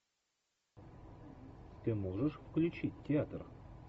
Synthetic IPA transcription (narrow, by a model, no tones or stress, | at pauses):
t̪ʲɘmoʐəʂfklʲut͡ɕitʲːeat̪r